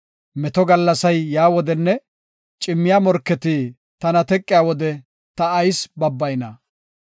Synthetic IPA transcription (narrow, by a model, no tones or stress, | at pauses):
mɛt̪ɔɡɐlːɐsɐjːaːwɔd̪ɛnːɛ | t͡ʃʼɪmːɪjamɔɾkːɛt̪i | t̪ɐnɐt̪ɛkʼːɪjaːwɔd̪ɛ | t̪ɐːjsbɐbːɐjnɐ